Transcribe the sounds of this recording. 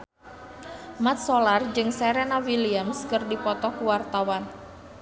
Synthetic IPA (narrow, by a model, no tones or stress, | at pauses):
mat̪̚solard͡ʒɨŋsɛɾenawiliamskɨrdipɔt̪ɔkuwart̪awan